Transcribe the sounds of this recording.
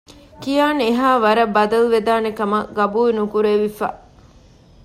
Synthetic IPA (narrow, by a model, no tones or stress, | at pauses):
kijaːneɦaːʋɐɾɐbːɐd̪ɐluʋed̪aːnekɐmɐɡɐbuːinukuɾeʋifa̰ː